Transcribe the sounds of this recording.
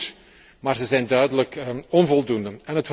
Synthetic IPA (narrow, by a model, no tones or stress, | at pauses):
maːrzəzɛjndœɥdələkɔnvɔlˠdundəɛnɦət